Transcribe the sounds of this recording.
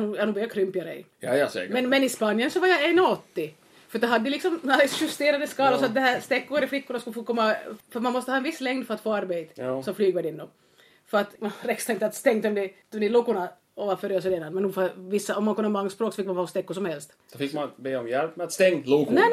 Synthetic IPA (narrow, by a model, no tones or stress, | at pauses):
nuːjaːnubəɾjakʰɾʏmpɪaɾɛ̰ | sɛ̰mɛnmɛnɪspɑnjənsɔvaɾjaɛnːɔɔt̪ːɪ | fœɾtd̪ɔɦad̪ːəlɪksɔmaɪsɧɵst̪eːɾad̪əskɑːlasɔat̪̚d̪ɛhæːɾst̪ɛkːʊɾɛflɪkːʊɳaskʉlːəfoːkʰɔmːafœɾmanmɔst̪əhɑːɛnvɪsːlɛŋd̪fœɾat̪foːaɾbeɪt̪ə̥sɔmflyːɡʋɛd̪ɪnːɔm | fœɾat̪manɾɛkst̪aɪnt̪əat̪st̪ɛŋːt̪ɔmd̪ɛt̪ɔmd̪ɛlukʊna | ɔvafœɾjøsəd̪eːd̪anmɛnnuːfavɪsːaɔmːankɔnːamaŋːspɾoːksɔfɪkːmanɑɔst̪ɛkːʊsɔmhɛlst̪d̪̥fɪkmanbeːɔmjɛlpmɛt̪st̪ɛŋluknɛ